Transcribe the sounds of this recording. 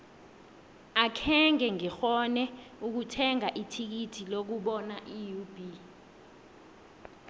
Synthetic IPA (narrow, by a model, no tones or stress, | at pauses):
akʰɛŋɛŋɛxɔnɛuk̬utʰɛŋaʔitʰik̬itʰilok̬uɓɔnaʔijub̥ʱi